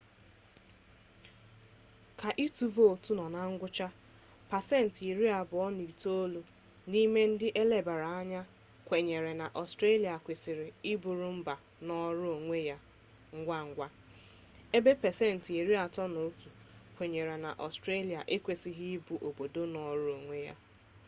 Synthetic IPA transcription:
ka˨ʔi˦tu˨vo˦˨tu˦nɔ˨na˦ŋ̩˦ɡʷʊ˦t͡ʃa˦ | pa˨sɛ˦n̩˨ti˨ɾi˦a˨bʊ˨ɔ˦ni˨to˦lu˦ | ni˦me˦n̩˦dɪ˦ʔe˦le˦ba˨ɾa˨a˦ɲa˦ | kʷe˨ɲe˨ɾe˨na˨ʔɔ˨stɾe˦li˨a˨kʷe˨sɪ˨ɾɪ˨i˦bu˨ɾu˦m̩˦ba˨ | nɔ˦ɾʊ˦o˨ŋʷe˦ja˦ | ŋ̩˦ɡʷa˦ŋ̩˦ɡʷa˦ | e˦be˦pɛ˨se˦˨n̩˨ti˨ɾi˦a˨tɔ˦no˨˦tu˨ | kʷe˨ɲe˨ɾe˨na̰˨ʔɔ˨stɾe˦li˨a˨ʔe˦kʷe˨si˨ɦi˦i˦bu˨ʔo˨bo˨do˦nɔ˨ɾʊ˦o˨ŋʷe˦ja̰˦

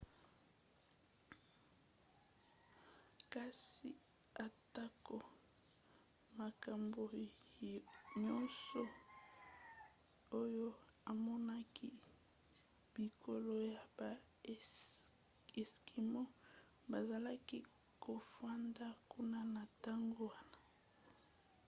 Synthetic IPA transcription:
ka˦si˨ | a˨ta˦ko˨ | ma˨ka˨mbo˨ | ɲɔ˦nsɔ˨ | o˦jo˦a˨mɔ˦na˦ki˦ | bi˨kʰo˨lo˨ja˨ba˨ | e˨ski˨mo˦ | ba˨za˨la˦ki˦ | ko˨fa˦nda˦kʰu˦na˦na˨ta˦ŋɡo˦wa˦na˨

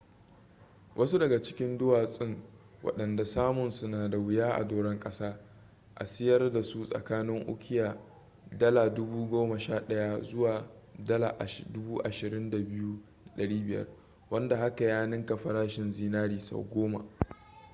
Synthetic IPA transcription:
wʔɐ˦su˦dɐ˨ɡa˨t͡ʃɪ̥˦kʲɪ˦ndʊ˦waː˨sʼɪ˦ŋwɐ̰˨ɗɐ˨nda˨saː˦mʊ˨nsʊ˦naː˨da˨wɪ˦jaː˦ʔa̰˨doː˨ɽɛ˦ŋkʼɐ˦saː˦ | ʔa̰˨sɪ˦jɐ˦rda˨su˦sʼɐ̰˨kaː˦nɪ˦ŋʔʊ̰˦kʰʲɪ˦jaː˨ | dɐ˦laː˨dʊ˦buː˦ɡʷoː˦mɐ˨ʃaː˦ɗɐ˦ja˦zʊ˦waː˨dɐ˦la̰ː˨ʔa˨ʃdʊ˦buː˦ʔa˨ʃɪ˨ɾɪ˦nda˨bɪ˦ju˦da˨ɗɐ˨ɽiː˦bɪ˨jɐ̰˦r | wɐ˦nda˨ha˦ka˨jaː˦nɪ˦ŋka˨ɸɐ˨ɾaː˦ʃɪ˨nziː˦naː˦ɾiː˨sa̰˨wɡʷoː˦ma̰˨ʔ

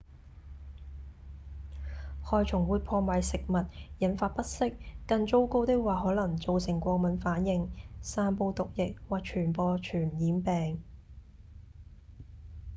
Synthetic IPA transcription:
hɔː˧jt͡ʃʰʊ˨˩ŋwuː˨˧jpʰɔː˧ma˨jsɪ˨k̚mɐ˨t̚jɐ˨˥nfaː˧t̚pɐ˥t̚sɪ˥k̚ːɐ˧ŋt͡so˥wko˥wt̪ɪ˥k̚waː˨ɦɔː˨˥lɐ˨˩ŋt͡so˨wsɪ˨˩ŋkʷɔː˧k̚mɐ˨˥nfaː˨˥njɪ˧ŋsaː˧npo˧wt̪ʊ˨k̚jɪ˨k̚waː˨k̚t͡ʃʰyː˨˩npɔː˧t͡ʃʰyː˨˩njiː˨˥npɛː˨ŋ

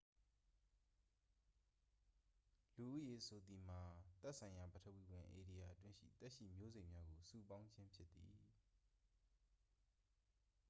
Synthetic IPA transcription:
lu˨ʔṵ˦˨je˨ʔsʰo˨d̪i˨m̥a˨t̪ɛ˦ʔsʰã˨ɪ̃ja˨bətʰə˦˨wi˨wɪ̃˨ʔe˨ɾi˨ja˨ʔətwɪ̃˦ʃḭ˦˨t̪ɛ˦ʔʃḭ˦˨mjo˦zẽ˨mja˦ɡo˨su˦˨pã˦ʊ̃ɲt͡ɕʰɪ̃˦mpʰjɪ˦t̪ːi˨

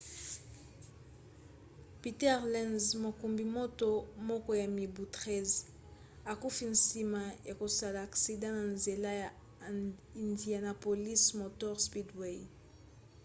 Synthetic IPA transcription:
pi˨tɛ˦ʁlɛ̃˦nzmo˨ku˨mbi˨mo˦to˦mɔ˦kɔ˦ja˨mi˨bu˨tʁɛ˦z | a˨ku˦fi˨nsi˨ma˨ja˨ko˨sa˨laː˨ksi˨dã˦na˨nze˨la˦ja˨ | i˨ndi˨a˨na˨po˨li˦smo˨tɔ˦ʁspi˦dwe˨

